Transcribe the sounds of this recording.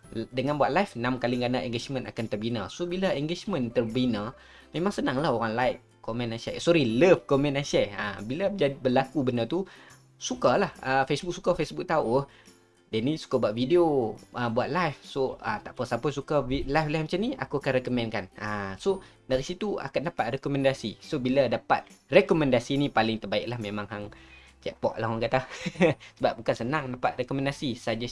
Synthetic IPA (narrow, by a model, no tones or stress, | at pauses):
dəŋanbuaʔ̪̚lajfnamkaliŋɡanaʔɛŋɡet͡ʃmə̃na̰kant̪ərbinasobilaɛŋɡet͡ʃmə̃nt̪ərbina | mẽmaŋsənaŋlahoɾaŋlajk̚ | komɛ̃nasɛ̰ʔsɔɾiləfkomɛ̃nasɛʔəbilad͡ʒadibəlakubənat̪u | sukalahəfesbuk̚sukafesbuk̚t̪auʔ | dənĩsu̥kabuaʔ̪̚videoəbuat̪̚lajfsoə̰t̪aʔpəsapɔsukailajflɛhmat͡ʃamniʔa̰kuakanrɛkomɛ̃nkanʔəso | daɾisit̪ua̰kan̚dapat̪̚rekɔmɛ̃ndasḭsobiladapa̰t̪̚rɛkɔmɛ̃ndasinĩpalɪŋt̪ərbaɪk̚lahmẽmãŋɦaŋ | t͡ʃɛ̰k̚pɔʔlahwankat̪a | səbap̚bukansənaŋdapat̪̚rekɔmɛ̃ndasisad͡ʒa